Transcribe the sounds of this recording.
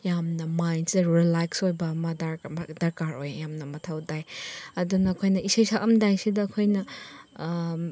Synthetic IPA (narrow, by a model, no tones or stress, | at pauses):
jamnɐmajnseɾilaksojbɐmɐdadɐɾkaɾo̰jjamnɐmɐtʰawdajɐdunɐːkʰojnɐisajsakɐmdajsidɐːkʰojnɐ